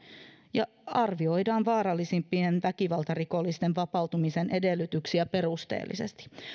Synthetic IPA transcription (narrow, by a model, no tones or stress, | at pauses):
jɑ | ɑrʋio̞jdɑːnʋɑːɾɑlːisimpːienʋækiʋɑlt̪ɑriko̞lːist̪e̞nʋɑpɑwt̪umisenʔe̞delːyt̪yksiæperust̪ḛːlːḭse̞̰st̪i̥